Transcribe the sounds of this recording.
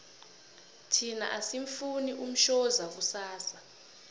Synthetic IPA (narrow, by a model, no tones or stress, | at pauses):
tʰina̰ʔasiɱfuniʔum̩ʃɔzak̬usaːsa